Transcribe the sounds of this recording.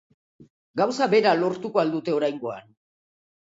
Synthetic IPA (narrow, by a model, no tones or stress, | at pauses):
ɡawsabe̞ɾalo̞ɾt̪ukoald̪ut̪e̞o̞ɾajŋɡo̞a̰n